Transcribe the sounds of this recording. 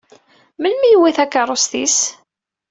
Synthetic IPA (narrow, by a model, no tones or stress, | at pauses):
məlmijwiθækːərˤosθis